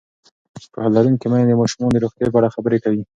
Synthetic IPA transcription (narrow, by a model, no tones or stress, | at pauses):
pəhalːaɾunkemajed̪əmɑʃumod̪əɾoxt̪jap̬əaɽaxabəɾekawi